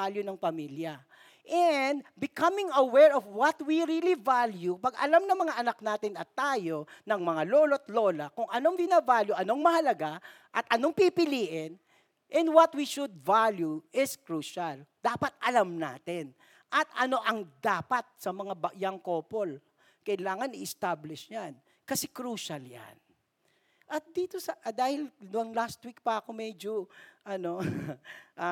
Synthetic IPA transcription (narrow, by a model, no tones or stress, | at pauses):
aljʊnɐŋpɐmiljɐ | ʔɛnd̪̚bɪkɐmɪŋɐwɛɹɔvwɐt̪̚wiɾilivaljupɐɡɐ̰lamnɐŋmɐŋaʔɐnɐk̚naːt̪ɪnɐt̪aːjo̞nɐŋmɐŋaloːlot̪lo̞ːlɐkʊŋʔɐnoŋvɪnɐvaljuʔɐnoŋmɐhɐlɐɡa | ʔɐt̪ʔɐnoŋpipɪliːʔɪn | ʔɛnd̪wɐt̪wiʃʊd̪̚valjuʔɪskɾuːʃald̪̥aːpɐt̪̚ʔɐlamna̰ːt̪ɪn | ʔɐt̪ɐno̞ʔɐŋd̪aːpɐt̪̚sɐmɐŋabɐʔjaŋkoːpo̞l | kɐʔɪlaːŋɐnɪʔɪst̪ablɪʃɲan | kɐsɛkɾuːʃɐlja̰n | ʔɐt̪̚d̪iːt̪o̞sɐʔd̪aːhɪlnʊɐŋlast̪̚wik̚pɐɐko̞mɛd͡ʒoʔɐno̞ | ʔa